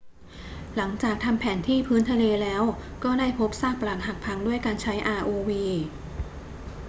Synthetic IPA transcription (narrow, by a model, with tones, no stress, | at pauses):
la˩˦ŋt͡ɕaː˨˩k̚t̪ʰa˧mpʰɛː˩˦nt̪ʰiː˥˩pʰɯː˦˥nt̪ʰa˧leː˧lɛː˦˥wkɔː˥˩daː˥˩jpʰo˦˥p̚saː˥˩k̚pa˧laː˨˩t̪̚ɦa˨˩k̚pʰa˧ŋdu˥˩əjkaː˧nt͡ɕʰa˦˥jʔaː˧ʔoː˧wiː˧